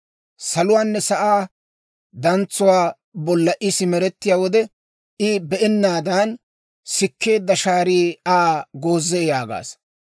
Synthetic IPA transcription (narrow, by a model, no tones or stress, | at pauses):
sɐlʊwaːnːɛsɐʔaː | d̪ɐnt͡sːʊwaː | bɔlːɐʔɪsɪmɛɾɛt̪ːɪjaːwɔd̪ɛ | ɪbɛʔɛnːaːd̪aːn | sɪkːe̞ːd̪ːɐʃaːɾiːaːɡoːzːɛjaːɡa̰ːs